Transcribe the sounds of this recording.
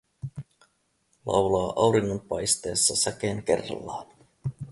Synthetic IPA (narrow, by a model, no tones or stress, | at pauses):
lʔɑ̰wlɑːʔɑwɾiŋːo̞mpɑjst̪e̞ːsːɑsæk̟eːŋke̞̰rːɑ̰lːɑːn